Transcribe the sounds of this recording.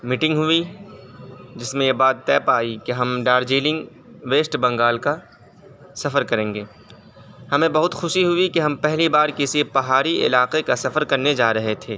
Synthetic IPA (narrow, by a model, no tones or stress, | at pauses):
miʈɪ̃ŋɡɦʊi | d͡ʒɪsmẽjebaːt̪ːɛːpaːikeɦɐmɖaːɾd͡ʒiːlɪ̃ŋɡ | ʋeːsʈbɐ̃ŋɡaːlka | sɐfəɾkɐɾẽːŋɡeː | hɐmẽbɐɦʊt̪xʊʃiɦʊikeɦɐmpɛɦlibaːɾkɪsipɐɦaːɾiʔɪ̰laːqekasɐfəɾkɐɾned͡ʒaːɾɐɦet̪ʰeː